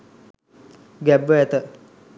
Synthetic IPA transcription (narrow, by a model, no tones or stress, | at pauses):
ɡɛbʋəɛt̪ə